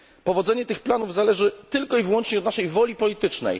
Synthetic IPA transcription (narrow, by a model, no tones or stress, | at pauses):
pɔvɔd̪zɛɲɛt̪ɘxplanuvzalɛʐɘt̪ɘlkɔivwɔnt͡ʂɲɛɔd̪naʂɛjvɔlʲipɔlʲit̪ɘt͡ʂnɛ̰j